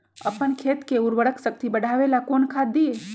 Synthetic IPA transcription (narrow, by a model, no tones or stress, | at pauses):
ə̰pəɳkʰet̪keuɾʋəɽəksək̚t̪ibəɽʱaʋelakonkʰat̪̚d̪ie